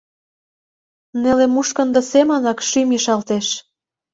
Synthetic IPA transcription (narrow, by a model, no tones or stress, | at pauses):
nelemuʃkə̆nd̪ɤ̆semənɑkʃymiʃɑlt̪eʃ